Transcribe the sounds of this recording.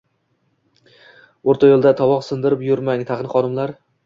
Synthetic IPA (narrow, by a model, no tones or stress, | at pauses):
oɾt̪ʰajolˠd̪at̪ʰɒwɒqsɪnd̪ɪɾɪpjʊɾmaŋt̪ʰɑqɨnχɒnɪmlaɾ